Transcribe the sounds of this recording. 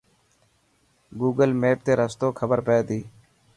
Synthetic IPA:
ɡuːɡəlmeːp̚t̪eːɾəst̪oːkʰəbəɾpeːt̪iː

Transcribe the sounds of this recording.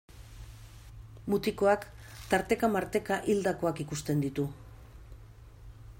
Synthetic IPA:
mut̪iko̞akt̪aɾt̪e̞kamaɾt̪e̞kaʔild̪ako̞akikust̪e̞nd̪it̪u

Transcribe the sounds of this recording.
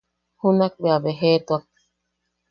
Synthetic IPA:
hunak̚beabeɦet̪uak̚

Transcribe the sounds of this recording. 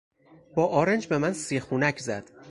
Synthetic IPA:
b̥ɒːʔɒːɾend͡ʒbe̞mænsixuːnæcʰzæd̪̥

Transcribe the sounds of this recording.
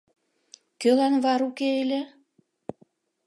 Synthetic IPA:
kølænβɑɾukeelʲĕ

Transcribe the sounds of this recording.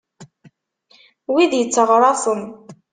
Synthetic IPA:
wiðjət͡sːəʁɾˤɑθən

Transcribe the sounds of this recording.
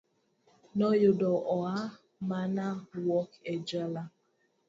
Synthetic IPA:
nɔjodɔʔɔa | manawɔked͡ʒala

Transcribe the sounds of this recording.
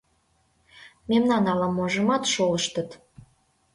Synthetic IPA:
memnɑnɑləmːoʒə̆mɑt̪ʃoləʃt̪ət̪

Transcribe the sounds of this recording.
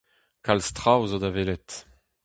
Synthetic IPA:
kalst̪ʁawzod̪avelɛt̪

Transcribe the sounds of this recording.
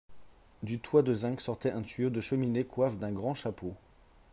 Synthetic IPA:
d̪yt̪wad̪əzɛ̃ksɔʁt̪ɛʔɛ̃t̪yod̪əʃəminekwafd̪ɛ̃ɡʁɑ̃ʃapo

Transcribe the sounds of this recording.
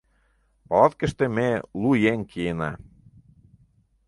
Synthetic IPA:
pɑlɑt̪kə̆ʃt̪ĕmelujeŋkʰijenɑ̰

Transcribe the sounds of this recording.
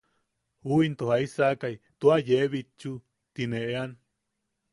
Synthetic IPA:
uint̪ohaisakait̪uajeβit͡ʃu | t̪ineʔean

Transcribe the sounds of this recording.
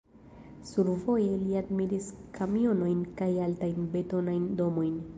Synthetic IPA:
suɾvo̞je̞liadmiɾiskʰamio̞no̞jnkajaltajnbe̞to̞najndo̞mo̞jn

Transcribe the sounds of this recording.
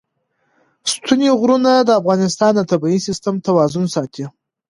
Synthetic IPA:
st̪ʰuneɣɾunad̪əafɣɑnɪst̪ɑnd̪ət̪abiisɪst̪əmt̪awɑzʊnsɑt̪ʰi

